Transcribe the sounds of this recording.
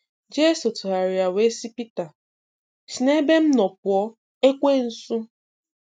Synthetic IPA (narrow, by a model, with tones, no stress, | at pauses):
d͡ʒe˦so˨tʊ˨a˨ɾi˨a˨we˦si˦pi˦ta˨ | si˨ne˦be˦m̩˦nɔ˨p̚ʊ˨ɔ˦ | e˦kʷe˦n̩˦su˦